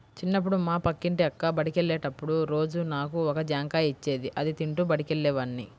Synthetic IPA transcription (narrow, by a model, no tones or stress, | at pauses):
t͡ʃinːɐp̬ːuɽumaːpɐkːiɳʈiɐkːaːbɐɽikeɭːeːʈɐpːuɽuɾo̞ːd͡ʒunaːkuɔkɐd͡ʒaːŋkaːit͡ʃːeːd̪iʔɐd̪it̪iɳʈubɐɽikeɭːɛːʋɐnːi